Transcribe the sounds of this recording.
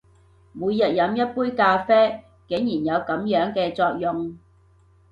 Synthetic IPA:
muː˨˧jɐ˨t̚jɐ˨˧mjɐ˥t̚puː˥jkaː˧fɛː˥ | ke˨˥ŋjiː˨˩njɐ˨˧wkɐ˨˥mjœː˨˥ŋkɛː˧t͡sɔː˧k̚jʊ˨ŋ

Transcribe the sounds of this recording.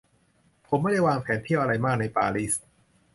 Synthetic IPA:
pʰo˩˦mːa˥˩da˥˩jwaː˧ŋpʰɛː˩˦nt̪ʰi˥˩wʔa˧ɾa˧jmaː˥˩k̚na˧jpaː˧ɾiː˥˩s

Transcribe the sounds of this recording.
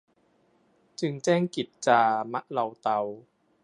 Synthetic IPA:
t͡ɕɯ˧ŋt͡ɕɛː˥˩ŋki˨˩t̪̚t͡ɕaː˧ma˦˥ʔla˧wt̪a˧w

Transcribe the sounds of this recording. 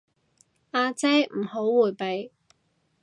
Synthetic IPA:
aː˧t͡sɛ˥jm̩˨˩ho˨˥wwuː˨˩jpe˨j

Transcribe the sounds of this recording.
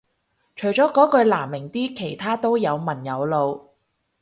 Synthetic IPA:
t͡ʃʰɵ˨˩jt͡ʃɔː˨˥kɔː˨˥kɵ˧laː˨˩mːɪ˨˩ŋt̪iː˥kʰe˨˩jt̪ʰaː˥t̪o˥wjɐ˨˧wmɐ˨˩njɐ˨˧wlo˨˧w

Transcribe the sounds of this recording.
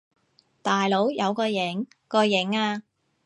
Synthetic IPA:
t̪aː˨jlo˨˥wjɐ˨˧wkɔː˧jɪ˨˥ŋ | kɔː˧jɪ˨˥ŋaː˧

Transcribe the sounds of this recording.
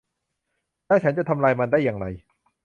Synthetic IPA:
t̪aː˥˩t͡ɕʰa˦˥nt͡ɕa˨t̪ʰa˧mlaː˧jma˧ndaː˥˩jːaː˧˩ŋɾa˧j

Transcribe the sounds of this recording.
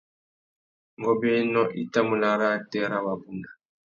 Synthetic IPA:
ŋɡɔ˦˨bɛ˦nɔ˦ʔi˦ta˦mu˨la˨ɾa˦˨tɛ˦ɾa˦wa˨bu˦na˨

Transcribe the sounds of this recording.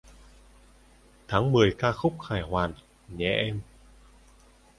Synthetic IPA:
t̪ʰaː˨˦ŋmɨ˨˩əjkaː˧xʊ˦˥k͡p̚xaː˧˩jhwaː˨˩n | ɲɛ̰˧˩˨ʔɛ˧m

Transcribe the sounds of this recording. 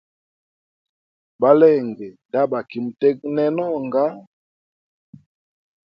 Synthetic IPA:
ba˦lɛ˦˨ŋɡɛ˨da˦ba˨ki˨mu˨tɛ˦k̚nɛ˦nɔ˦ŋɡa˦

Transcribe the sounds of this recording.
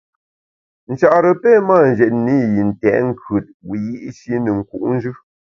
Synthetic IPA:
n̩˨t͡ʃa˦˨ʔɾə˨pɛ˦ma˦˨n̩˨d͡ʒɛ˨t̚ni˦ji˨n̩˨tɛ̰˨ŋ̩˦kʰʉ˨t̚wi˨ji˦ʔsi˦nə˨ŋ̩˨ku˨ʔn̩˦d͡ʒʉ˦

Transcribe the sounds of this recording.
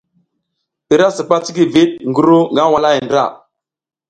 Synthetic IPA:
i˨ɾa˦sə˨pa˦t͡si˦ɡi˦vi˦t̚ŋɡu˦ɾu˦ŋɡa˦wa˨la˦ji˨ndɾa̰˦˨

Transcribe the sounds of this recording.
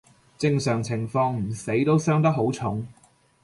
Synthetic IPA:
t͡sɪ˧ŋsœː˨˩ŋt͡sʰɪ˨˩ŋfɔː˧ŋm̩˨˩se˨˥jt̪o˥wsœː˥ŋt̪ɐ˥k̚ɦo˨˥wt͡sʰʊ˨˥ŋ

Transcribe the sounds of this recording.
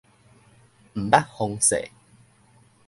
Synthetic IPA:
m̩˨˩ba˦˥t̚ho˧ŋsḛ˨˩

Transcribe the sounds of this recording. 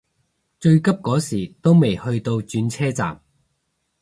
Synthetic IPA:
t͡ʃɵ˧ɥkɐ˥p̚kɔː˨˥siː˨˩t̪o˥wme˨˩jhɵ˧ɥt̪o˧wt͡ʃyː˨˧˥nt͡sʰɛː˥t͡sa̰ː˨˩m

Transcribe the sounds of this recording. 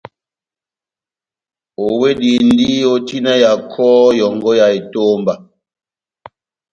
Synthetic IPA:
o˨we˦di˨n˦di˦o˦ti˦na˦ja˨kʰɔː˦jɔ˨ŋɡɔ˦ja˨i˨to˦mba˨

